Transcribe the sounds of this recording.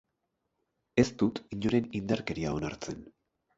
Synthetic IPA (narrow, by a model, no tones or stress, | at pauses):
e̞st̪ut̪iɲoɾe̞nind̪aɾke̞ɾia̰o̞naɾt͡se̞n